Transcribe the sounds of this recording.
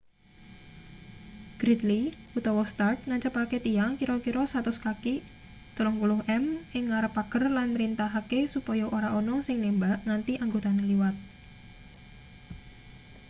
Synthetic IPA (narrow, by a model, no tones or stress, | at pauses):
ɡ̥ɾit̪liut̪ɔwɔst̪art̪̚ŋaɲt͡ʃəpaket̪iaŋkiɾɔkiɾɔsat̪ʊskaki | t̪əlɔŋpulʊhʔɛmʔɪŋːaɾəpaɡ̥ərlanɾint̪aɦakesupɔjɔʔoɾaʔɔnɔsɪŋnembaʔŋant̪iʔaŋɡot̪aneliwat̪̚